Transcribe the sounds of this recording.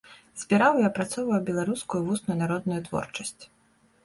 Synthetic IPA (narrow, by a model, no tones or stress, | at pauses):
z̥ʲbʲiɾawjapɾat̪sɔwvɐjwbʲɛlˠaɾuskujuvusnʊjʊnaɾɔd̪nʊjut̪vɔ̰rt͡ʂɐsʲt͡sʲ